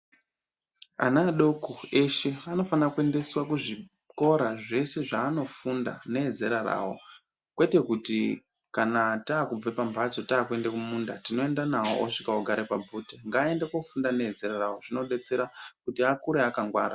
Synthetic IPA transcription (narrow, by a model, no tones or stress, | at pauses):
a̰naɗo̞kue̞ʃe̞ano̞fanakue̞nde̞swakuʐi | ko̞ɾaʐe̞se̞ʐaːno̞funda̰ne̞ed͡ze̞ɾara̰wo̞̰ | kwe̞te̞kuti | kanataːkub͡vepambʱat͡so̞taːkue̞ndekumundatino̞e̞ndanawo̰ʔoʂikaoɡʱaɾepab͡vuteŋɡaːe̞ndekwofundane̞ed͡ze̞ɾarawoʐino̞ɗe̞t͡se̞ɾakutiakuɾeakaŋɡwa̰ːɾa